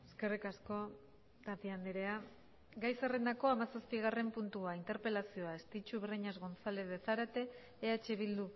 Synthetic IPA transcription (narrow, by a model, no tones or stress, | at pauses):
eske̞rikasko̞ | t̪at̪iand̪eɾe̞a | ɡajserend̪ako̞amasaspiɣ̞are̞mpunt̪uaint̪e̞ɾpe̞lasio̞aest̪it͡ʃuβriɲezɣo̞nt͡sale̞ðeθaɾat̪e̞ː | at͡ʃe̞β̞ild̪u